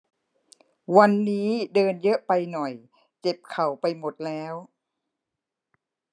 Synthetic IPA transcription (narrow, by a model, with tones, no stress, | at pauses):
wa˧nːiː˦˥dɤː˧njɤ˦˥ʔpa˧jnɔ˨˩j | t͡ɕe˨˩p̚kʰa˨˩wpa˧jmo˨˩t̪̚lɛː˦˥w